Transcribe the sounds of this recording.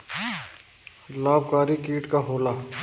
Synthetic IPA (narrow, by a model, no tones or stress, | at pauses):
laːb̚kaːɾikiːʈkaɦoːlaː